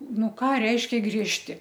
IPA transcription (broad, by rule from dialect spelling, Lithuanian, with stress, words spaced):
ˈnʊ ˈkɑː ˈrʲɛɪʃʲkʲɛ ɡrʲiɛʃʲˈtʲɪ